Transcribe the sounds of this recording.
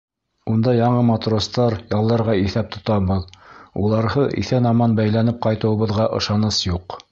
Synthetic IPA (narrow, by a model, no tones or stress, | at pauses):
und̪ɑjɑɴɤmɑt̪rost̪ɑɾjɑlˠːɑɾʁɑiθæp̚t̪ŏt̪ɑbɤðulˠɑɾʁɤʔḭθænɑmɑnbæjlænɘp̚qɑjt̪ɤ̆wɤ̆βɤ̆ðʁɑʔɤ̰̆ʃɑnɤsjuq